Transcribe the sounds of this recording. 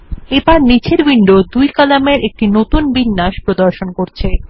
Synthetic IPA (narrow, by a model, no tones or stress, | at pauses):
ebaɾnit͡ɕʰeɾbiɳɖod̪ujkalameɾʔek̚ʈinot̪unbinːaʃpɾod̪oɾʃonkoɾt͡ɕʰe